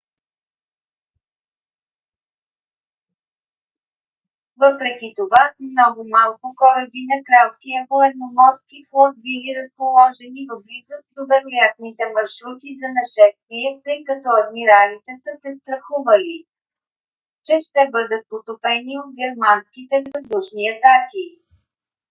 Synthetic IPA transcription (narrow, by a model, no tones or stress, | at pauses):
vɤpɾɛkit̪ovamnɔɡʊmalˠkʊkɔɾəbinɐkɾalˠskijəpoɛd̪nomɔɾskiflˠɔt̪̚biliɾəspolˠɔʒɛnivəblizəsd̪obɛɾojat̪̚nit̪ɛmɐɾʃɾut̪izɐnɐʃɛst̪viɛt̪əjkɐt̪ɔɐd̪̚miɾalit̪ɛsəsɛst̪ɾɐxuvəli | t͡ʃɛʃt̪ɛbɤd̪ət̪̚pot̪opɛniot̪̚ɡʲɛɾmanskit̪ɛvɐzd̪uʃniɐt̪aki